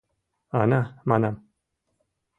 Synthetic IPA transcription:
anamanam

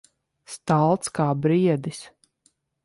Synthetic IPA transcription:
st̪alˠt̪skaːbɾiɛd̪is

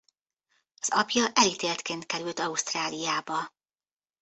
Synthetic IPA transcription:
ɒzɒpjɒʔɛlit̪eːlt̪keːnt̪kɛɾylt̪ɒust̪raːlijaːbɒ

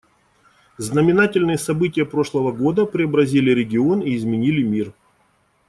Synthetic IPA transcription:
znəmʲɪnatʲɪlʲnɨjəsɐbɨtʲɪjəpɾo̞ʂlˠəvəɡo̞d̪əpɾʲɪəbɾɐzʲilʲɪɾʲɪɡʲɪo̞niːzmʲɪnʲilʲɪmʲir

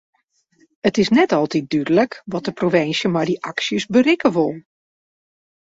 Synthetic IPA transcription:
ətɪsnɛtɔlˠtit̚dydələkʋɔt̚dəproʋɪnsjəmajdiʔaksjəsbərɪkəʋʊlˠ

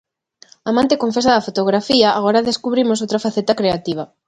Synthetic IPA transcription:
aːmãnt̪ekoɱfesaðafot̪oɣɾafiaʔaɣ̞oɾaðeskuβɾimos̬owt̪ɾafaθet̪akɾeat̪iβ̞ɐ

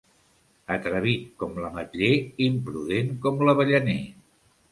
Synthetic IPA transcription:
ət̪ɾəβit̪̚kɔmləmət̪ʎeimpɾuðeŋkɔmləβəʎəne

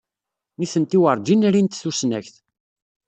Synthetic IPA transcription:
niθənt̪iwəɾˤd͡ʒinɾint̪θusnæçθ

